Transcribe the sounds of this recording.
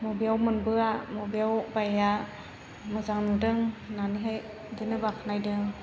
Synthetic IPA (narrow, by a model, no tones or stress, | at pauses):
mɔbijawmɯnbɯamobiawbaja | mɯzaŋnudɯŋnaniɦaj | dinɯbakʰanajdɯŋ